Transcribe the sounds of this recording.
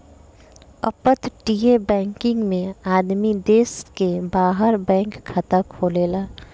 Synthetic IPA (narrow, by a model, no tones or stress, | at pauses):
ə̰pət̪ʈiːebɛ̃ːŋkɪ̃ŋɡmẽaːd̪mid̪eːskebaːɦəɾbɛ̃ːŋkkʰət̪akʰoːleːlaː